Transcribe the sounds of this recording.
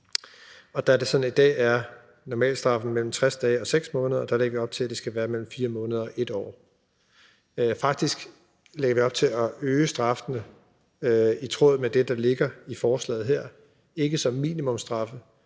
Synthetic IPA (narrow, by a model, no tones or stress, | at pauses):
ɒ̽d̥æd̥e̝sɒ̽nid̥ɛ̰ːæɐ | nɒmɛ̰ːld̥sd̥ʁɑ̈fn̩mel̰m̩t͡sʰʁasd̥ɛːɒ̽seɡ̥smɔ̽ːnəðˠɐd̥æ̈leɡɐʋiɒ̽b̥̚t͡sʰe̝æd̥e̝sɡ̥æʋæːɐmel̰m̩fiːɐmɔ̽ːnəð̞ˠɐɒʔe̝d̥ɒ̰ː | fɑ̈ɡ̥̚d̥isɡ̥ | leɡ̥ɐʋiɒ̽b̥̚t͡sʰe̝lɒøːsd̥ʁɑ̈fnə | it͡sʰʁo̝̰ð̩ˠmed̥e̝d̥ɑ̈le̝ɡ̥ɐifɒːslɛ̰ːð̩ˠɦeɐ̰ | e̝ɡ̥əsɒ̽mːḭːnimɔ̽msd̥ʁɑ̈fə